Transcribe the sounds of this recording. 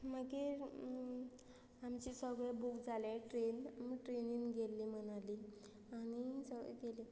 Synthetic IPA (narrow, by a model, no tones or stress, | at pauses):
makiɾ | amt͡ɕisəɡɭebukd͡zʱaljaʈɾenamiʈɾeninɡʱelːim̤ənali | anisə̰ɡeli